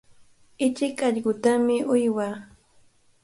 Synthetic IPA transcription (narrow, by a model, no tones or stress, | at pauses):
ɪt͡ʃɪkɑʎɢʊt̪amɪʔʊjwaː